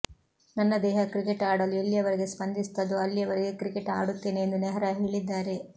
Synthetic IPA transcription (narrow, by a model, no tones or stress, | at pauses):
nɐnːɐd̪ɛːɦɐkɾikeʈaːɽɐluelːijɐʋɐɾeɡe̞spɐnd̪ist̪ɐd̪uɐlːijɐʋɐɾeɡe̞kɾikeʈa̰ːɽut̪ːe̞ːne̞ːnd̪unɛɦɐɾɐɦeːɭid̪ːaːɾe̞